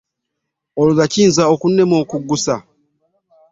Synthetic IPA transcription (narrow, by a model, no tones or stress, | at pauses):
olulaciːnzaokunːe̞mo̞ːkuɡːusa